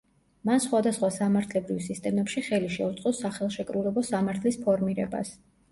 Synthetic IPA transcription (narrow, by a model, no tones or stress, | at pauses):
mansχwad̪asχwasamaɾt̪ʰlɛbɾivsist̪ʼɛmɛpʃiχɛliʃɛut̪sʼɔsaχɛlˠʃɛkʼɾulɛbɔsamaɾt̪ʰlispʰɔɾmiɾɛ̰ba̰s